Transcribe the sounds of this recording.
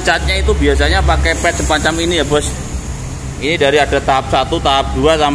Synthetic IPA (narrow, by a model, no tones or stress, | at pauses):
t͡ʃat̪̚ɲait̪ubiasaɲapakepɛt̪̚səpaɲt͡ʃaminijabɔs | inidaɾiadat̪aɦap̚sat̪ut̪aɦap̚d̥uasam